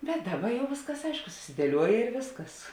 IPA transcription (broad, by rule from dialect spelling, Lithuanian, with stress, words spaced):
bʲɛt ˈdɑːˌbɐ ˈjɛʊ ˈʋʲeːsˌkɐs ˈɐɪʃkʊ sʊsʲɪdʲiɛˈlʲuɔjɛ ɪr ˈʋʲeːsˌkɐs